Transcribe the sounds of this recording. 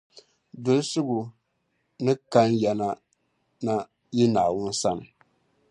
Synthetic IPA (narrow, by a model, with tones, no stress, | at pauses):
dʊ˨˦lsʊ˦ɡʊ˨ | nɨ˦ka˦njɛ˨na˦ | na˦ | ji˦naː˨wʊ˦n˦sa˦nɨ˨